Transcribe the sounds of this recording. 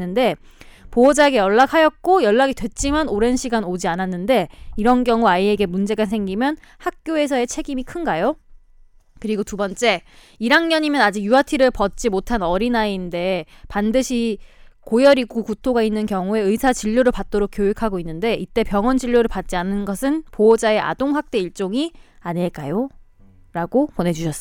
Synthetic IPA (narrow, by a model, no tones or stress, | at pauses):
ɯnde̞ | poʌd͡ʑaeɡe̞jʌɭːakʰhajʌt̚k͈ojʌɭːaɡidwe̞t̚t͡ɕ͈imanoɾe̞nɕʰiɡanod͡ʑiananːɯnde̞iɾʌnɡjʌŋuaie̞ɡe̞mund͡ʑe̞ɡas̬ʰe̞ŋɡimjʌn | hak̚k͈joe̞s̬ʰʌe̞t͡ɕʰe̞ɡimikʰɯnɡajo | kɯɾiɡotubʌnt͡ɕ͈e̞ | iɾaŋɲʌɲimjʌnad͡ʑik̚juatʰiɾɯɭpʌt̚t͡ɕ͈imotʰanʌɾinainde̞pandɯɕʰikojʌɾiɡukutʰoɡainːɯnkjʌŋue̞ɯisʰat͡ɕiʎːoɾɯɭpat̚t͈oɾok̚k͈jojikʰaɡoinːɯnde̞ʔit͈e̞pjʌŋwʌnd͡ʑiʎːoɾɯɭpat̚t͡ɕ͈ianɯnɡʌsʰɯnpoʌd͡ʑae̞ʔa̰doŋɸak̚t͈e̞iɭt͡ɕ͈oŋiaɲiɭk͈ajo | ɾaɡopone̞d͡ʑuɕʰʌs͈